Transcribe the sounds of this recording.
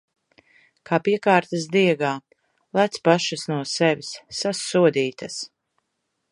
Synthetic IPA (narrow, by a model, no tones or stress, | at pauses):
kaːpiɛkaːɾt̪as̬d̪iɛɡaː | lˠæt̪spaʃasnuɔsɛvʲisːasuɔd̪iːt̪as